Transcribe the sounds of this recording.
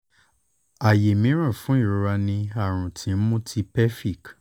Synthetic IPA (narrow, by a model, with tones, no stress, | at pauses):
a˨je˨mĩ˨˦ɾ̃ã˦˨fũ˨˦i˦˨ɾo˧ɾa˧nĩ˧a˦˨ɾ̃ũ˨tʰĩ˨˧n̩˦mũ˦tʰi˧pɛ˦fi˦˨k